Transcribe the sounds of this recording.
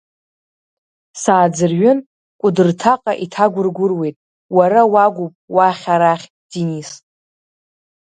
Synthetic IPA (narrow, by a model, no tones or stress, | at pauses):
saːd͡zɨrɥʏn | kʷʼʊdɨrtʰaqʼaʔitʰaɡʷʊrɡʷʊrwe̞jtʼ | waɾawaɡʷupʼwaχʲaɾaχʲ | d̥inisʼ